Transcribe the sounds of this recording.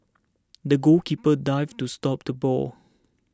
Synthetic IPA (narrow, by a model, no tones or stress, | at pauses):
dəɡolkipədaɪvtustɔp̚d̥əbɔ̰l